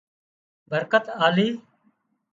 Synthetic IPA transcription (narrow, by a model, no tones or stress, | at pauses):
bʱəɾkət̪aːliː